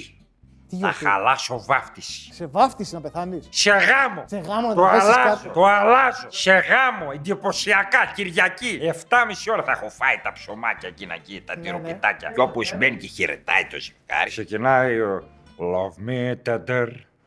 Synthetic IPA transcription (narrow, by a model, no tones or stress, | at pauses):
ɐ̰xa̰lɐso̞vɐft̪isi̥vɐft̪iseɐnse̞ɣɐmo̞ɣt̪oalɐzt̪oalɐzose̞ɣɐmo̞end̪ipo̞siɐkɐciɾʝɐcieft̪ɐmisio̞ɾɐθɐexofɐit̪ɐpso̞mɐcɐcinɐ̰cit̪ɐt̪iɾopit̪ɐcɐ̰opozmeniceçeɾḛt̪ɐ̰it̪o̞̰zifɡɐ̰ɾiksecinɐjo | lovmit̪ed̪eɾ